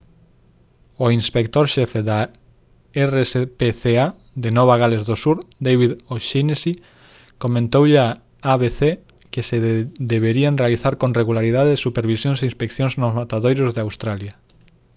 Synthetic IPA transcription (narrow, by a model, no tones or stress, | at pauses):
oinspek̚t̪oɾʃefeða | eresepeθea | d̪enɔβaɣalezðosuɾd̪ejβiðoʃinesi | komẽnt̪owʎea | aβeθe | kesed̪eβeɾianrealiθaɾkõnreɣulaɾið̞aðesupeɾβisjõŋseinspekθjõŋznozmat̪aðojɾozðeawst̪ɾalja